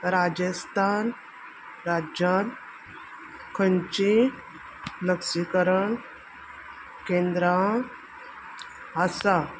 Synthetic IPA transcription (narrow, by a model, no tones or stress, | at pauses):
ɾad͡ʑəst̪ʰan | ɾad͡ʑan | kʰənt͡ɕi | ləksikəɾəɳ | kẽnd̪ɾa | ɦasa